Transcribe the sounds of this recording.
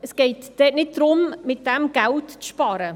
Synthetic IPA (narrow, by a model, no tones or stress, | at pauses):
əsɡ̥ɛɪtd̥ɛːtnɪt̚d̪̥ɾʊmmɪt̚d̥ɛmɡ̥æltt͡sʃpɑːɾə